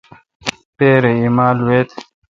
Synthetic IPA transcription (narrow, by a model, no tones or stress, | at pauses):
peːɾeimaːlweːt̪